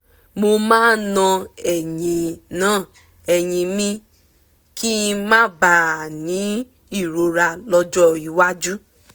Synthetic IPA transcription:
mo˧mãː˦nɔ̃˧ɛ˨jĩ˨˧nãː˦˨ | ɛ˨jĩ˧mĩ˧ | ki˦mãː˦ba˨nĩ˨˦ | i˦˨ɾo˧ɾa˧lɔ˧d͡ʒɔ˦i˧wa˦d͡ʒu˦

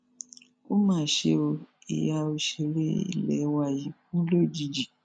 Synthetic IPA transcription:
o˦mãː˦˨ʃe˧o˧ | ḭ˨ja˧o˧ʃe˧ɾḛ˦ḭ˨lɛ˨˦wa˧˨ji˨˦fũ˦lo˦˨d͡ʒi˨˧d͡ʒi˨

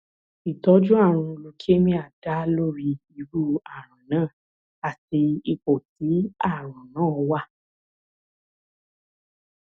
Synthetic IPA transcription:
i˨tɔ˨˦d͡ʒu˦a˦˨ɾ̃ũ˧lo˧˦kʰi˦e˦mĩ˦a˨da˦lo˦˨ɾi˧i˧ɾu˦a˨ɾ̃ã˨nãː˦˨ | a˨ti˧i˧k͡po˨ti˨˦a˦˨ɾ̃ã˨nãː˦˨ɔ˧wa˦˨

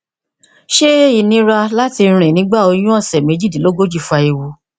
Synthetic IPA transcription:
ʃe˦i˨nĩ˧˦ɾa˧la˦ti˧ɾ̃ĩ˨nĩ˨˦ɡ͡ba˦˨o˧j̃ũ˦ɔ˦˨sɛ˨me˨˧˦d͡ʒi˦˨dĩ˨lo˦ɡo˦d͡ʒi˦˨fu˧˦a˧i˧wu˧

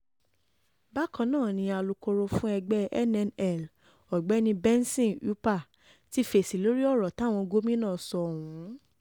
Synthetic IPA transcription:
ba˦kã˧nãː˦˨nĩ˧a˧lu˧ko˧ɾo˧fũ˦ɛ˧ɡ͡bɛ˦ɛ̰˦nɛ˧nɛ˦˨l | ɔ˨ɡ͡bɛ˨˦nĩ˧bɛ˦n˦sĩ˦˨u˨˦pa˦˨ | ti˦fe˨si˨lo˦ɾi˦ɔ˦˨ɾɔ˨tã˨˦˨ɔ̃˧ɡo˦mĩ˦nãː˦˨sɔ˧˨hũ˨˦

